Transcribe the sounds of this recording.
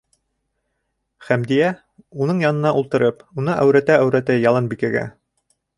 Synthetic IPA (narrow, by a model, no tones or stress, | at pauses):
χæmd̪ijæ | unɤɴjɑnɤ̆nɑʔulˠt̪ɤ̆ɾɤpunɤʔæwɾæt̪ææwɾæt̪æjɑlˠɤnbikæɡæ̰